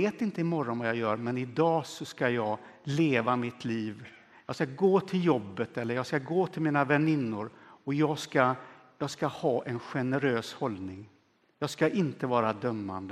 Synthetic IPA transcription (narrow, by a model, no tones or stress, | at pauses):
eːt̪ɪnt̪əɪmɔɾɔnvajɑjœːɾmɛnɪd̪ɑːsɔskajɑːɡ | leːvamɪt̪ʰliːv | jɑːskaɡoːt̪ʰɪljɔbːət̪ɛlːəɾjɑːɡskaɡoːt̪ʰɪlmiːnavɛnɪnːʊɾɔjɑːɡska | jɑːɡskahɑːʔɛnɧɛnəɾøːshɔldnɪŋ | jɑːɡskaʔɪnt̪əvɑːɾad̪œmːa̰nd̪ə